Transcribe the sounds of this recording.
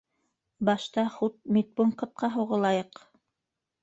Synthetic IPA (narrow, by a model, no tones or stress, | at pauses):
bɑʃt̪ɑχut̪̚mit̪̚buɴqɤ̆t̪̚qɑɦŭʁɤ̆lˠɑjɤq